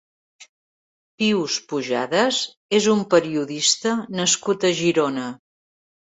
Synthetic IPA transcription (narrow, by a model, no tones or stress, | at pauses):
piwspuʒa̰ðəz | ezumpəɾiuðist̪ənəskut̪əʒiɾonə